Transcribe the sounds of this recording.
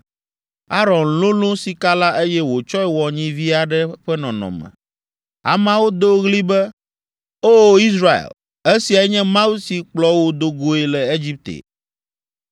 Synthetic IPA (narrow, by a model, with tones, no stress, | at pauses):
a˦ɾɔ˨nlõ˦lõ˦si˨ka˦la˦ʔe˦jɛ˦wo˨t͡ʃɔ˦ɛ˨wɔ˨ɲĩ˦vi˦a˨ɖɛ˦ɸɛ˦nɔ̃˨nɔ̰̃˨mɛ̰̃˨ | a̰˨mã˨˦wo˦d̪o˦ɣli˦bɛ˦ | o˦i˦sɾa˨ḛ˨l | e˦si˨a˨ɛ˦ɲɛ̃˦mã˦wu˦si˨k͡plɔ˦wo˦d̪o˦ɡo˦e˨lɛ˨e˦d͡ʑi˦p̚t̪ḛ˨